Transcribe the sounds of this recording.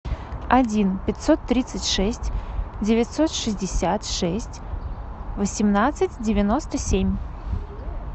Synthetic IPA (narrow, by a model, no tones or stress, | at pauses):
ɐdʲinpʲɪt̪ʲsot̪ːɾʲit̪sɨtʲʂɛsʲtʲdʲɪvʲɪtʲsot̪ʂɨzʲdʲɪsʲat̪ʂɛsʲtʲ | vəsʲɪmnat̪sɨtʲdʲɪvʲɪnost̪əsʲemʲ